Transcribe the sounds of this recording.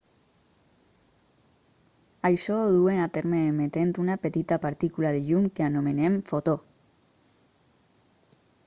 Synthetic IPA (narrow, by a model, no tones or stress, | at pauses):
ajʃoðuenat̪eɾmeːmet̪ent̪unapet̪it̪apaɾt̪ikulað̞eʎumkeanomenemfot̪o